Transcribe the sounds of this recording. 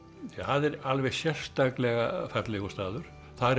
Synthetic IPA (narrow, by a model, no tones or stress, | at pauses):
haðɛɾalvɛɣsjɛr̥st̪aklɛɣafat̪lɪɣɔst̪aːðʏɾ̥ | θaðɛɾ